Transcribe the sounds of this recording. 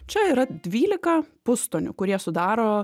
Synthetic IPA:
t͡ʃʲɛiːɾɐd̪ʲʋʲiːlʲɪkɐpʊst̪oːnʲʊ̰kʊɾʲiɛsʊd̪ɑːɾoː

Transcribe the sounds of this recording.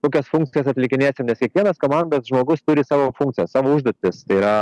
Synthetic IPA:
koːkʲɛsfuŋk̚t͡s̪ʲɪjɛsɐt̪ʲlʲɪkʲɪnʲeːsʲemnʲɛskʲiɛkʋʲiɛnɐskoːmɑnd̪ɐsʒmoːɡʊst̪ʊɾʲɪsɑːʋoːfuŋkt̪t͡s̪sʲɪjɛsɑːʋoːʊʒd̪oːt̪ʲɪst̪ɐɪiːɾɐ

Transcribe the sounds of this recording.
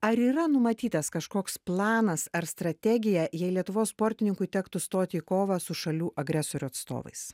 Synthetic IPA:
ɐɾiːɾɐnʊmɐt̪ʲiːt̪ɐskɐʃkoːksplˠɑːnɐsɐɾst̪ɾɐt̪ʲɛɡʲɪjɛjɛɪlʲiɛt̪ʊʋoːsspoːɾʲt̪ʲɪnʲɪŋkʊɪt̪ʲæːkt̪ʊst̪oːt̪ʲiːkoːʋɐsʊʃɐlʲuːʔɐɡɾʲæsoːɾʲʊɐt̪st̪o̰ːʋɐ̰ɪs

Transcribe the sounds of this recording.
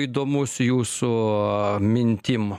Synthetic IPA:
jd̪omusjuːsʊ | mʲɪnʲt̪ʲim

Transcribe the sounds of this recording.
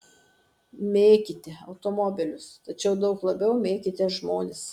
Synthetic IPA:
mʲeːkʲɪt̪ʲɛɐʊt̪omɔbʲɪlʲʊst̪ɐt͡ʃʲɛʊd̪ɐʊklˠɐbʲɛʊmʲeːkʲɪt̪ʲɛʒmoːnʲɪs

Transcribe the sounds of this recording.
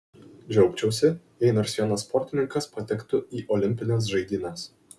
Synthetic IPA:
d͡ʒʲɛʊpʲt͡ʃʲɛʊsʲɪ | ɛɪnɐɪɾsʲiɛnɐsːpɔɾʲt̪ʲɪnʲɪŋkɐspɐt̪ʲɛkt̪ʊiːʔɔlʲɪmʲpʲɪnʲɛs̬ʒɐɪd̪ʲiːnʲɐs

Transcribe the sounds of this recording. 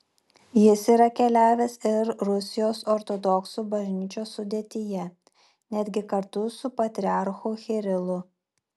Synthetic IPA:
jɪsiːɾɐkʲɛlʲæːʋʲeːsɪɾɾʊsʲɪjoːsɔɾt̪ɔd̪ɔksubɐʒʲnʲiːt͡ʃʲoːsːʊd̪ʲeːt̪ʲɪjɛ | nʲæːd̪ʲɡʲɪkɐɾt̪ʊsʊpɐt̪ʲɾʲɪɑˑɾxuːxʲɛɾʲɪlˠʊ

